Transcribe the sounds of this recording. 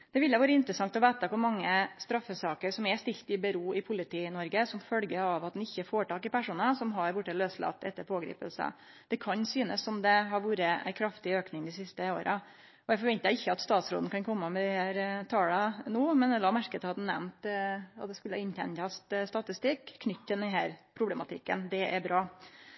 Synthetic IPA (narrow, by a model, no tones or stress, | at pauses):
d̪̥ɛʋɪlːɛʋoːɾəɪnt̪ɾəsɑŋt̪ɔʋæːt̪əkʰʊɾmɑŋːəst̪ɾɑfːəsɑːkəɾsɔmɛst̪ɪlt̪ɪbəɾuːɪpʰʊlɪt̪ʰiːnɔɾɡəsɔmfœlɡəɑʋɑt̪̚d̪ɛnɪçːəfoːʈɑːkɪpæʂuːnəsɔmɦɑɾbʊʈːəløːslɑ̰t̪ːɛt̪ːəɾpʰoːɡɾḭːpə̰lsə̰ | d̪̥ɛkʰɑnsyːnəsːɔmd̪ɛɦɑɾʋuːɾəæ̰ɪkʰɾɑft̪ɪøːknɪŋd̪ɪsɪst̪əo̰ːɾʔə | ɔæɪfɔɾʋɛnt̪əəɪçːəɑt̪st̪ɑːt̪sɾo̰ːd̪nəkʰɑnkʰɔmːəmɛd̪ɪhæːɾt̪ʰɑːlɑnuːmɛnd̪ɛlɑːmæɾkət̪ʰhɑt̪n̩nɛ̰mnt̪ɑt̪̚d̪ɛskʉlːəhɑɪnt̪ʰɛ̰nt̪ɑst̪st̪ɑt̪ɪst̪ɪkʰːnʏt̪ːt̪ːɪld̪ɛnhæːɾpʰɾʊblɛmɑt̪ʰɪ̰kːə̰nd̪ɛʔæɾbɾɑː